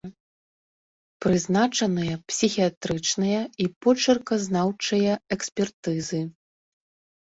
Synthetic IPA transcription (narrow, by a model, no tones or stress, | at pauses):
pɾɨznat͡ʂɐnɨjɐpsʲixʲiat̪ɾɨt͡ʂnɨjɐipɔt͡ʂɐrkɐznawt͡ʂɨjɐɛksʲpʲɛrt̪ɨzɨ